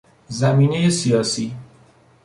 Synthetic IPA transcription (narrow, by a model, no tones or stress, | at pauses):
zæmiːnejesijɒːsiː